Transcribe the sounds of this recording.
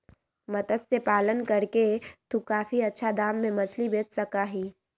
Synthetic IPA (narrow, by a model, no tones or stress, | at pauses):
mɐt̪əd̪sepaːlənkɐɾket̪ukaːfiɐtːʃʰad̪aːmːẽmɐt͡ʃʰlibeːt͡ʃsɐkaɦiː